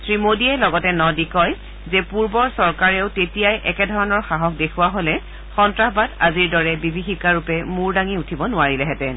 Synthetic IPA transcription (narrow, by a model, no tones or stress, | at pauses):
sɹimodiɛlɔɡɔtɛnɔdikɔj | zɛpuɹbɔɹsɔɹkaɹɛʊtetijajʔɛkɛdʱɔɹɔnɔɹxaɦɔk̚dekʰuwaɦolɛ | xɔntɹaɦbadaziɹdɔɹɛbibʱixikaɹupɛmuɹdaŋiutʰibɔnʊaɹilɛɦɛtɛ